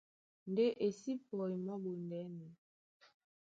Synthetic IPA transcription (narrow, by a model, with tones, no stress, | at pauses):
n̩˨de˦ʔe˨si˦pɔ˨i˨mɔ˦bo˨n˨dɛ˨˦ne˨